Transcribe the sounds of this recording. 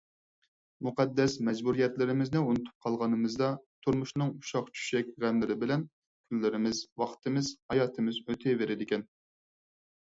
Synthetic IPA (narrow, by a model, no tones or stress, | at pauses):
muqʰɑd̪ːɛsmɛd͡ʒbuɾijɛt̪lɪɾɪmɪznɪunɨt̪ʰu̥p̚qʰɑlˠʁɑnɨmɨzd̪ɑt̪ʰuɾmuʃnɨŋuʃɑχt͡ʃʰy̥ʃɛkʲʁæmːɪɾɪbɪlɛn | kʲʰylːɪɾɪmɪzwɑχt̪ʰɨmɪzhɑjɑːt̪ʰɨmɪzøt̪ʰɪveɾɪd̪ɪkʲɛn